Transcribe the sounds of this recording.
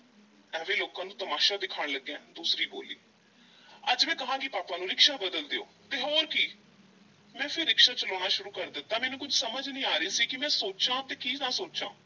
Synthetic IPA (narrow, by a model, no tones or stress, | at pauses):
ɛːʋeːloːkãːnũːt̪əmaːʃaːd̪ɪkʰaːɳləɡeɛ̃ːd̪uːsɾiːbo̰ːlḭː | əd͡ʒmɛ̃ːkəɦãːkɪpaːpaːnũːɾɪkʃaːbəd̪əld̪eo̰ːt̪eːɦoːɾkiː | mɛ̃ːpʰɪɾːɪkʃaːt͡ʃəloːñaːʃʊɾuːkəɾd̪ət̪ːãːmɛːnũːkʊd͡ʒʱsəməd͡ʒnĩːaːɾiːsiːkɪmɛ̃ːsoːt͡ʃãːt̪eːkiːnãːsoːt͡ʃã̰ː